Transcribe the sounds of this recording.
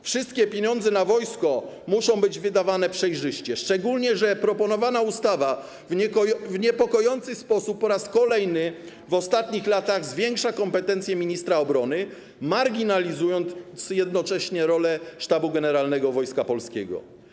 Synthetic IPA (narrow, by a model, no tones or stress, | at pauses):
fʂɘst̪̚kʲɛpʲjeɲɔ̃nd̪zɛnavɔjskɔ | muʂɔ̃w̃bɘd͡ʑvɘd̪avanɛpʂɛjʐɘɕt͡ɕɛʂt͡ʂɛɡulɲɛʐɛpɾɔpɔnɔvanaust̪ava | vvɲɛpɔkɔjɔnt̪sɘspɔsupːɔɾaskɔlɛjnɘ | vɔst̪at̪ɲixlat̪aɣzvʲjɛŋkʂakɔmpɛt̪ɛnt̪sjɛmʲiɲist̪ɾaɔbɾɔnɘ | maɾɡʲinalʲizujɔnt̪t̪sjɛd̪nɔt͡ʂɛɕɲɛɾɔlɛʂt̪abuɡɛnɛɾalnɛɡɔvɔjskapɔlskʲɛɡɔ̰